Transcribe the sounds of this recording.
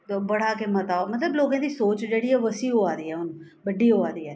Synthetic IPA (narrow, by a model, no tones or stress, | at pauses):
obəɽaːkemət̪aːomət̪ləbloːɡãːd̪iːsoːt͡ʃd͡ʒeːɽiːɛːʋəsiːɦoːaːd̪iːɦɛːʊn | bəɖiːɦoːaːd̪iːɛː